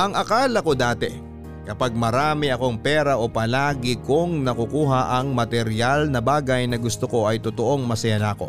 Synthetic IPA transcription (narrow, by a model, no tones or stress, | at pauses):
ʔɐŋʔɐkaːlɐko̞d̪aːt̪ɛ | kɐpaɡ̚mɐɾaːmɪɐko̞ŋpɛːɾɐʔo̞pɐlaːɡɪkoŋnɐkʊkuːɦɐʔɐŋmɐt̪ɛɾjalnɐbaːɡɐjnɐɡʊst̪oko̞ʔɐjt̪ʊt̪oʔo̞ŋmɐsɐjanaːko̞̰